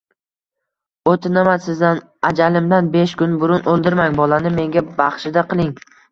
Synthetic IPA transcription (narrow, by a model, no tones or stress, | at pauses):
ot̪ʰɪnamasɪzd̪an | ad͡ʒalɪmd̪anbeʃkʊnbʊɾʊnʔolˠd̪ɪɾmaŋbɒlanɪme̞ŋɡʲabaχʃɪd̪aqʰɨlˠɪŋ